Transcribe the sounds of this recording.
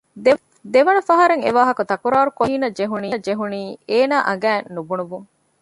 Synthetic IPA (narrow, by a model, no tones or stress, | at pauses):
d̪e | d̪eʋɐnɐfɐɦɐɾeŋḛʋaːɦɐkut̪ɐkuɾaːɾukoiːnɐd͡ʒeɦuniːd͡ʒeɦuniːeːnaːʔɐɡæːnːubunuʋuŋ